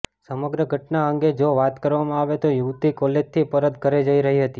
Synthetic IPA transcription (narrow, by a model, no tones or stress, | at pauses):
səməɡɾəɡʱəʈnaəŋɡed͡ʒoʋat̪kəɾʋamãaʋet̪ojuʋt̪ikolet̪ʰipəɾət̪kəɾed͡ʒəiɾəɦiɦət̪i